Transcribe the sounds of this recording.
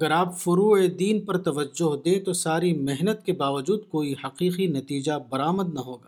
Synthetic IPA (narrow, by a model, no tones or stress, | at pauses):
ɐɡɐɾaːpfʊɾuːed̪iːnpɐɾt̪ɐʋəd͡ʒːʊɦd̪ẽːt̪osaːɾimɪɦnət̪kebaːʋəd͡ʒuːd̪koːihɐqiːqinɐt̪iːd͡ʒabɐɾaːməd̪naɦoːɡaː